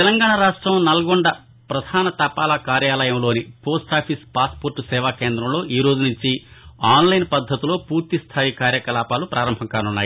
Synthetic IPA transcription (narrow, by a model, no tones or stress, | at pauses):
ɛlɐŋɡaːɳɐɾaːʂʈɾɐmnɐlɐɡoɳɖɐ | pɾɐd̪ʱaːnɐt̪ɐpaːlɐkaːɾjaːlɐjɐmlo̞ːnipo̞ːsʈaːpʰispaːspoːɾʈusɛːʋaːkeːnd̪ɾɐmlo̞ːʔiːɾo̞ːd͡ʒunuɲt͡ʃiaːnlɐjnpɐd̪ʱːɐt̪ilo̞ːpuːɾt̪ist̪ʰaːjikaːɾjɐkɐlaːpaːlupɾaːɾɐmbʱɐŋkaːnunːaːji